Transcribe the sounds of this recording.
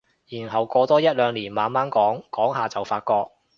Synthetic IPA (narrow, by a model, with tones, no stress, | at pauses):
jiː˨˩nɦɐ˨˩wkɔː˧t̪ɔː˥jɐ˥t̚lœː˨˧ŋliː˨˩nmaː˨nmaː˥nkɔː˨˥ŋkɔː˨˥ŋɦaː˨˩t͡sɐ˨wfaː˧t̚kɔː˧k̚